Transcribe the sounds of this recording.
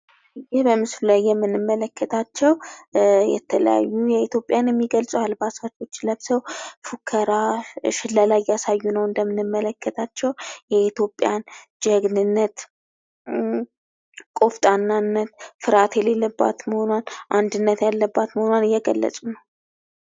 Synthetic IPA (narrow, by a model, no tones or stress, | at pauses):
ɨjːɪhbəmɨslulajːɛmːɨnɨmːələkʰːət̪ʰat͡ʃːɛwjɛ̰t̪ʰələ̰ja̰jːujɛit̪ʰjo̞pʼjanjɛmːiɡəlsʼəwalbasat͡ʃːo̞t͡ʃːləbsəwfukʰːəɾaʃɪlːəlajjasajːunəwɨnd̪əmːɨnɨmːələkʰːət̪ʰat͡ʃːɛwjɛit̪ʰjo̞pʼjand͡ʒɛɡnɨnːət̪ | kʼo̞ft̪ʼanːanːət̪fɨɾat̪jɛlelːəbːa̰t̪məho̞nwanʔand̪ɨnːət̪jalːəbːat̪məhonanɨjːɛɡəlːə̰sʼunəw